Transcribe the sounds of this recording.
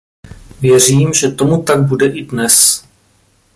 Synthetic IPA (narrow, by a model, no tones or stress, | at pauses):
vjɛr̝iːmʒɛt̪o̞mut̪aɡ̚budɛʔɪdnɛs